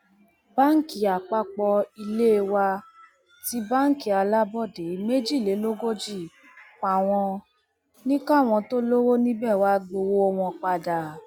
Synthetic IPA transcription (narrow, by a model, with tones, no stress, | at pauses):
ba˦ŋ̩˦ki˨a˨k͡pa˧k͡pɔ˧i˧le˦e˧wa˧ | ti˦ba˦ŋ̩˦ki˨a˧la˦bɔ˦˨de˨˦me˦d͡ʒi˦˨le˨˦lo˦ɡo˦d͡ʒi˦˨ | k͡pa˨w̃ɔ̃˧ | nĩ˦ka˦˨w̃ɔ̃˧to˦lo˦wo˦nĩ˦bɛ˦˨wa˧˦ɡ͡bo˧wo˦ɔ˧w̃ɔ̃˧k͡pa˧da˨